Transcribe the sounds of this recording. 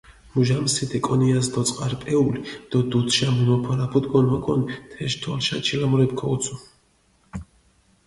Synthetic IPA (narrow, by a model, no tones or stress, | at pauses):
muʒamsit̪ʰɛkʼɔniasd̪ɔt̪sʼqʼaɾpʼɛulid̪̥ɔd̪ut̪ʰʃamunɔpʰɔɾapʰud̪ɡɔnɔkʼɔnt̪ʰɛʃt̪ʰɔlʃa̰t͡ʃʰilamɔɾɛp̚kʰɔut̪sʰu